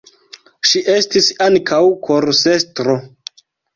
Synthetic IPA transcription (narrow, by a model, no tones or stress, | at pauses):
ʃiʔe̞stisaŋkʰawkʰoɾsestɾo